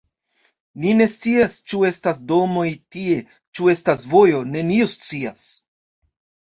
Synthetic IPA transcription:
nine̞st͡siast͡ʃue̞stasdo̞mo̞jtie̞ | t͡ʃue̞stasvo̞jo̞ne̞niost͡sias

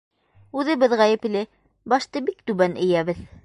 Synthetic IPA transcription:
ʉðɘ̆bɘðʁæjɘ̆plɘ | bɑʃt̪ɤbikt̪ʉβænɘ̆jæβɘð

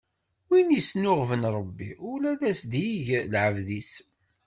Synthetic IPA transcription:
winjəsnʊʁvənɾˤəbːiʊlæðæsd̪jiʝlʕəvðis

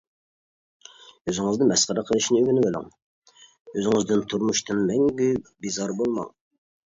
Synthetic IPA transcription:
øzɪŋɨznɨmɛsqəɾəqʰəlˠɨʃnɪyɡʲynɪbelˠɪ̰ŋ | øzɪŋɪzd̪ɨnt̪ʰuɾmuʃt̪ʰɨnmɛŋɡʲɛbizɑɾbolˠmɑ̰ŋ

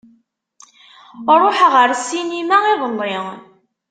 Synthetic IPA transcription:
ɾˤoħʁəɾsinimæʁiðˤəlːɪŋ

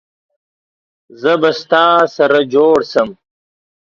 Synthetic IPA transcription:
zɐbɐst̪ɑːsɐɾad͡ʒoːɽsɐm

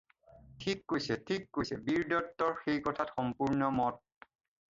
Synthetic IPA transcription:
tʰikːojsɛtʰikːojsɛbiɹdɔtːɔɹxejkɔtʰatxɔmpuɹnɔmɔt̚

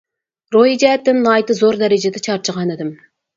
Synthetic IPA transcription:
ɾojid͡ʒɛt̪ːɪmnɑjt̪ɨzoɾd̪ɛɾɪd͡ʒɪd̪ɛt͡ʃʰɑɾt͡ʃʰəʁɑnɪd̪ɪm

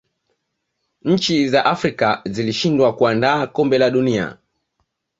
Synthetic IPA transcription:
ɲ̩t͡ʃizaʔafɾikaziliʃindwakuandaːkɔmbɛlaɗunia̰

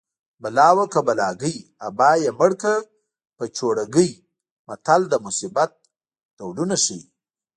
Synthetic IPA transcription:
balɑwakabalɑɡəjabɑjeməɽka | pət͡ʃoɽaɡəj | mat̪ald̪əmʊsibat̪̚ | d̪̥awlunaʃii

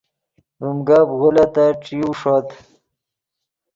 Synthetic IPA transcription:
bumɡabɣulat̪aʈ͡ʂiuʂot̪

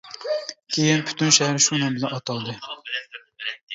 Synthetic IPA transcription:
kʲʰejɪnpʰy̥t̪ʰynʃɛhæɾɪʃunɨŋbɪlɛnɑt̪ʰɑlˠd̪ɨ

